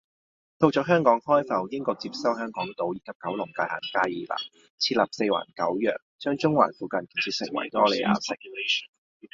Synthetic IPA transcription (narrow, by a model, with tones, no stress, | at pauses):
t̪o˧wt͡sɔː˨˥ɦœː˥ŋkɔː˨˥ŋhɔː˥jfɐ˨wjɪ˥ŋkɔː˧k̚t͡si˧p̚sɐ˥whœː˥ŋkɔː˨˥ŋt̪o˨˧wjiː˧kɐ˧˥p̚kɐ˨˥wlʊ˨˩ŋkaː˧jha̰ː˨˩nkaː˥jiː˨˩la̰ː˨˩ | t͡sʰiː˧t̚laː˨˩p̚se˧jwa̰ː˨˩nkɐ̰˨˥wjœː˨˩k̚t͡ʃœː˥ŋt͡ʃʊ˥ŋwa̰ː˨˩nfuː˨kɐ˨˧nki˨˩t͡sʰiː˧sɪ̰˨˩ŋwɐ̰˨˩jt̪ɔː˥le˨jʔa̰ː˧sɛ˥kʰu˧le˥ʃn